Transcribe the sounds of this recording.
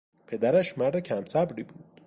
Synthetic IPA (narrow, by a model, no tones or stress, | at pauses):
pʰe̞d̪æɾæʃmæɾd̪e̞cʰæmsæbɾiːbuːd̪̥